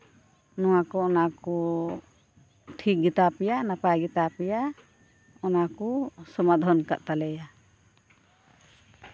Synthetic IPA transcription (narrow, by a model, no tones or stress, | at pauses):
nɔwakɔɔnakɔ | ʈʰik̚ɡit̪apijanapajɡit̪apija | ɔnakɔsɔmad̪ʱɔnka̰ʔt̪alɛja